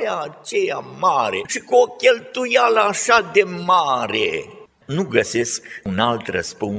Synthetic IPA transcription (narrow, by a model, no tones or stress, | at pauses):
aːt͡ʃeja̰maɾeʃikuokʲelt̪ujaləːʃad̪e̞maɾe | nuɡəseskunalt̪rə̰spun